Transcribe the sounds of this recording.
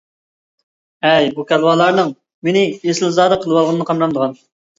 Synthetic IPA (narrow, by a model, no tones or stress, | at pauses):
ɛjbukʲɛlˠwɑːlˠɑɾnɨŋ | menɪjesɪlzɑːd̪ɑqʰəlˠɨwɑlˠʁənɨnəqʰɑmɾɑmd̪əʁɑn